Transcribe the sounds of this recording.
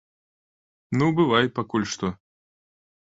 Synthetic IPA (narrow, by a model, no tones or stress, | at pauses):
nubɨvaj̚pakulʲʂt̪ɔ